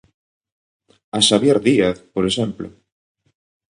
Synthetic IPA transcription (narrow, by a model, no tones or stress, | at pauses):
asaβjeɾðiaθpoɾesɛmplo̰